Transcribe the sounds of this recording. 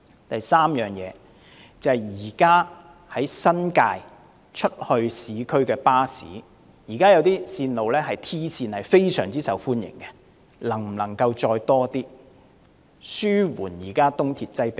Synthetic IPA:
t̪ɐ˨jsaː˥mjœː˨˩ŋjɛ̰ː˨˧ | t͡sɐ˨ɐ˨˩jjiː˨˩kaː˥ | hɐ˨˥jsɐ˥nkaː˧j | t͡ʃʰɵ˥t̚hɵ˧ɥsiː˨˧˥kʰɵ˥ɥkɛː˧paː˥sḭː˨˥ | jiː˨˩kaː˥jɐ˨˧wt̪iː˥siː˧nlo˨wlɛː˥ɦɐ˨jt̪ʰiː˥siː˧nhɐ˨jfe˥jsœː˨˩ŋt͡siː˥sɐ˨˥wfuː˥njɪ̰˨˩ŋkɛ˧ | lɐ˨˩ŋm̩˨˩lɐ˨˩ŋkɐ˧wt͡ʃɔː˧jt̪ɔː˥t̪iː˥ | syː˥wuː˨˩njiː˨˩kaː˥t̪ʊ˥ŋt̪ʰiː˨t̚t͡sɐ˥jpe˨˦

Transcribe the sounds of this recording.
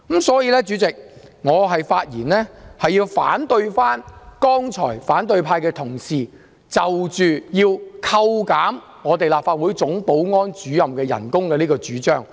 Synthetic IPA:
msɔː˨˥jiː˨˧lɛː˥t͡ʃyː˨˥t͡sɪ˨k̚ | ŋɔː˨˧ɦɐ˨jfaː˧t̚jḭː˨˩nlɛː˥hɐ˨jiː˧wfa̰ː˨˥nt̪ɵ˧ɥfaː˥nkɔː˥ŋt͡ʃʰɔ̰ː˨˩jfaː˨˥nt̪ɵ˧ɥpʰaː˧jkɛː˧t̪ʰʊ˨˩ŋsiː˨˩ | t͡sɐ˨wt͡ʃyː˨jiː˧wkʰɐ˧wkaː˨˥m | ŋɔː˨˧t̪̬e˨jlaː˨p̚faː˧t̚wuː˨˥jt͡sʊ˨˥ŋpo˨˥wŋɔː˥nt͡ʃyː˨jɐ˨mkɛː˧jɐ̰˨˩nkʊ˥ŋkɛː˧niː˥kɔː˧t͡ʃyː˨˥t͡ʃœː˥ŋ

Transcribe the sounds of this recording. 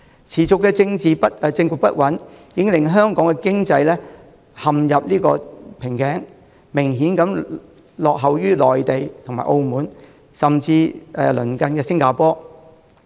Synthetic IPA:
t͡sʰiː˨˩t͡sʊ˨kːɛː˧t͡sɪ˧ŋt͡siː˨pɐ˥t̚ːt͡sɪ˧ŋkuː˨k̚pɐ̰˥t̚wɐ˨˥njɪ˨˥ŋlɪ˨˩ŋɦœː˥ŋkɔː˨˥ŋkɛ˧kɪ˥ŋt͡sɐ˧jlɛː˥ | hɐ˨mjɐ˨p̚liː˥kɔ̰ː˧pʰɪ˨˩ŋkɛː˨˥ŋ | mɪ˨˩ŋɦiː˨˥nkɐ˨˥m | lɔː˨k̚ɦɐ˨˩wjyː˥lɔː˨jt̪e˨jt̪ʰʊ˨˩ŋmaː˨ʔo˧wmuː˨n | sɐ˨mt͡siː˧ɛ˧lɵ̰˨˩nkɐ˨˧nkɛː˧sɪ˥ŋkaː˨˧pɔː˥

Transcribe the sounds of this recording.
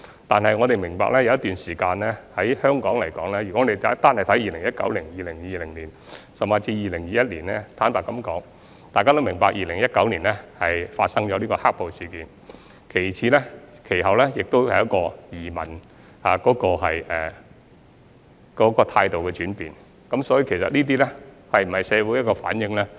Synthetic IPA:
t̪aː˨nhɐ˨jŋɔ˨˧t̪e˨jmɪ˨˩ŋpa̰ː˧k̚lɛː˥jɐ˧wjɐ˥t̪yː˨nsiː˨˩kaː˧nɛː˥hɐ˨˥jhœː˥ŋkɔː˨˥ŋlɐ˨˩jkɔː˨˥ŋlɛː˥jyː˨˩kɔ˨˥ŋɔː˨˧d̪e˨˩ta˨˥t̪aː˥nhɐ˨˩jt̪ʰɐ˨˥jiː˨lɪ˨˩ŋjɐ˥t̚kɐ̰˨˥wlɪ˨˩ŋjiː˨˧lɪ˨˩ŋjiː˨˧lɪ˨˩ŋliː˨˩nsɐ˨maː˧t͡siː˧jiː˨˧lɪ˨˩ŋjiː˨˧jɐ˥t̚liː˨˩nɛ˥t̪ʰaː˨˥npaː˨˩kɐ˨˥mkɔː˨˥ŋ | t̪aː˨jkaː˥t̪o˥wmɪ˨˩ŋpaː˧k̚jiː˨lɪ˨˩ŋjɐ˥t̚kɐ˨˥wliː˨˩nlɛː˦˥hɐ˨jfaː˧t̚sɐ˥ŋt͡ʃɔː˨˧liː˥kɔː˧haː˥k̚po˨wsiː˨kiː˨˧n | kʰe˨˩jt͡sʰiː˨˧lɛː˥kʰe˨˩jɦɐ˨˩wlɛː˥jɪ˨k̚t̪o˥whɐ˨jɐ˥t̚kɔː˧jiː˨˩mɐ̰˨˩n | aː˨˩kɔː˨˥kɔː˧ɦɐ̰˨jʔɛː˨˩ | kɔː˨˥kɔː˧t̪ʰaː˧jt̪o˨wkɛ˧t͡ʃyː˨˥npiː˨n | kɐ˨˥msɔː˨˥ji˧kʰe˨˩jsɐ˨t̚niː˥t̪̬iː˥lɛ˥ | hɐ˨jm̩˨˩hɐ˨jsɛː˨˧wuː˨˥j̚kɔː˧fa̰ː˨˥njɪ˨˧ŋlɛː˥

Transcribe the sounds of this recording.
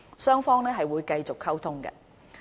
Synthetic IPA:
sœː˥ŋfɔː˥ŋlɛː˥ɦɐ˨jwuː˨˧jkɐ˧jt͡sʊ˨kʰːɐ˥wt̪ʰʊ˥ŋkɐ̰˧

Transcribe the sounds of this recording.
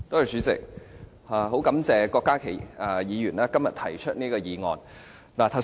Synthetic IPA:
t̪o˥whɐ˨jt͡syː˨˥t͡sɪ̰˨k̚ | haː˨˩ɦo˨˥wkɐ˨˥mt͡sɛː˨kɔː˧kːaː˥kʰe˨˩jaː˨˩jiː˨˧jyː˨˩naː˥kɐ˥mjɐ˨t̪ʰɐ˨˩jt͡ʃʰɵ˥t̚niː˥kɔː˧jiː˨˧ŋɔ̰ː˨˧n | laː˨˩t̪ʰɐ˨˩w

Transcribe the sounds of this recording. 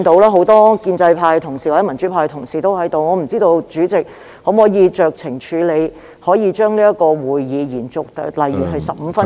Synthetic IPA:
nt̪o˨˧˥wlaː˥ɦo˨˥wt̪ɔː˥kiː˧nt͡sɐ˧jpʰaː˧jt̪ʰʊ˨˩ŋsiː˨˩wa˨˩˥mɐ˨˩nt͡ʃyː˨˥pʰaː˧jt̪ʰʊ˨˩ŋsiː˨t̪o˥whɐ˨˥jt̪o˨wŋɔː˨˧m̩˨˩t͡siː˥t̪o˧wt͡ʃyː˨˥t͡sɪ˨k̚ | ho˨˧˥mɔː˨˥jiː˨˧t͡ʃœː˨k̚t͡sʰɪ˨˩ŋt͡ʃʰyː˨˧le˨˧j | hɔː˨˥jiː˨˧t͡ʃœː˥ŋliː˥jɐ˥tkɔː˧wuː˨˩jːiː˨˧jiː˨˩nt͡sʊ˨k̚t̪lɐ˨˩jːyː˨˩hɐ˨jsɐ˨p̚m̩ː˨˧fɐ˥n

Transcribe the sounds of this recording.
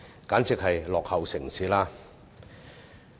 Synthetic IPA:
kaː˨˥nt͡sɪ˨k̚hɐ˨jlɔː˨k̚hɐ˨wsɪ˨˩ŋsiː˨˥laː˥

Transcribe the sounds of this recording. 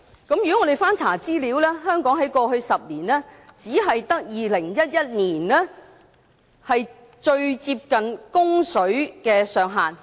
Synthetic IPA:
kɐ˨˥mjy˨kɔ˨˥ŋɔː˨˧e˨jfaː˥nt͡sʰaː˨˩t͡siː˥liː˨˧˥wlɛː˥ɦœː˥ŋkɔː˨˥ŋɦɐ˨˥jkɔː˧hɵ˧ɥsɐ˨p̚niː˨˩nɛː˥t͡siː˨˥ɦɐ˨jt̪ɐ˥k̚jiː˨lɪ˨˩ŋjɐ˥t̚jɐ˥t̚niː˨˩nlɛː˥ | hɐ˨j | t͡ʃɵ˧ɥt͡siː˧p̚kɐ˨nkʊ˥ŋsɵ˨˥ɥkɛː˧sœː˨ŋɦaː˨n

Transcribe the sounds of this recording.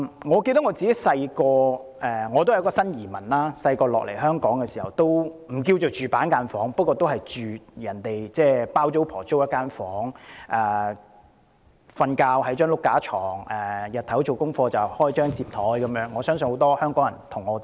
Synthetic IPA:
ŋɔː˨˧ke˧t̪ɐ˥kŋɔː˨˧t͡si˨ke˨˥sɐ˧jkɔː˧ | ʔɛː˨˩ŋɔː˨˧t̪o˥whkɔː˨˧sɐ˥njiː˨˩mɐ˨˩nlaː˥sɐ˧jkɔː˧lɔ̰ː˨k̚lḛ˨˩jɦœː˥ŋkɔː˨˥ŋkɛː˧siː˨˩hɐ˨˩wt̪o˥wm̩˨˩k̬iː˧wt͡so˨wt͡ʃyː˨paː˨˥nkaː˧nfɔː˨˥ŋpɐ˥t̚kːɔː˧t̪o˥wɦɐ˨jt͡ʃyː˨˩jɐ˨˩nt̪e˨jt͡sɛː˥˩paː˥wt͡ʃo˥wpʰɔː˨˩t͡so˥wjɐ˥kːaː˥nfɔː˨˥ŋʔɛ˨ | fɐ˧nkaː˧wɦɐ˨˥jt͡ʃœː˥ŋlʊ˥kːaː˨˥t͡ʃʰɔː˨˩ŋɛː˨jɐ˨t̪ʰɐ˨˥wt͡so˨wkʊ˥ŋfɔː˧t͡sɐ˨˩whɔː˥jt͡ʃœː˥ŋt͡siː˧p̚t̪ʰɔː˨˥jkɐ˨˦mjœː˨˥ŋːɔː˨˧sœː˥ŋs̬nho˨˥wt̪ɔː˥hœː˥ŋkɔː˨˥ŋjɐ̰˨˩nt̪ʰʊ˨˩ŋːɔː˨˧t̪

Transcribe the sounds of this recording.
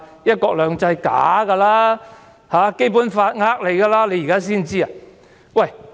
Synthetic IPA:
jɐ˥t̚kɔː˧k̚lœː˨ŋt͡sɐ˧jka̰ː˨˥ɡɐ˧laː˥ | haː˨˦ke˥jp̬uː˨˥nfaː˧t̚ŋaː˦˥k̚le˨jka˧laː˥le˨˧jkaː˥s̬iː˥nt͡siː˥a˨ | wɐ˥˨˩j

